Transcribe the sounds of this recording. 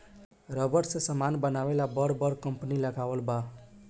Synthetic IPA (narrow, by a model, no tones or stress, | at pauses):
ɾəbəɾsẽsəmanbənawelabəɾbəɾkəmpniləɡawəlba